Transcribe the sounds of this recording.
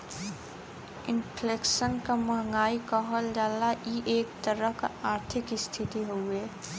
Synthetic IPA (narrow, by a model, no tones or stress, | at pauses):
ɪnflekʃənkaməɦŋɡaːikɔɦəld̪aːlaʔiʔeːk̚t̪əɾəɦkaaːɾt̪ʰɪkɪst̪ʰɪt̪iɦoɛː